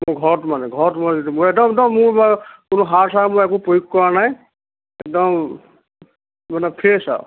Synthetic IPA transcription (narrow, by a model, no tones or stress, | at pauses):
mʊɹɡʱɔɹɔtmanɛɡʱɔɹɔtmanɛzidimʊɹɛk̚dɔmdɔmːʊɹbakʊnʊɦaɹsʰamʊjɛk̬ʊpojukkɔɹanaj | ɛk̚dɔm | manɛpʰisa̰ʊ